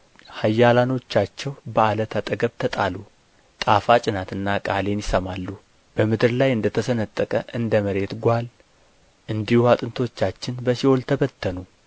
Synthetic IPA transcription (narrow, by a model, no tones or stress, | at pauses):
hajːalano̞t͡ʃːat͡ʃːɛwbəalət̪ʰat̪ʼəɡəβt̪ʰət̪ʼalu | t̪ʼafat͡ʃʼɪnat̪ɨnːakʼale̞njɪsəmalːu | b̥əmɨd̪ɨɾlajɨnd̪ət̪ʰəsənət̪ʼːəkʼəʔɨnd̪əməɾe̞t̪ɡʷal | ʔɨnd̪ihuhat̪ʼɨnt̪ʰo̞t͡ʃːat͡ʃːɪnbəsiholt̪ʰəβət̪ʰːənu